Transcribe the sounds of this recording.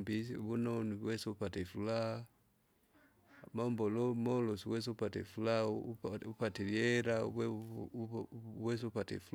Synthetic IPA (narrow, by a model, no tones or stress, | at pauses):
mbisβunɔniwɛsɛupatɛfula | mambɔlɔmɔlɔsiwɛs̬ɛupatɛ̰fulapupatɛliɛɾaɛ | wɛs̬upatɛ̰ful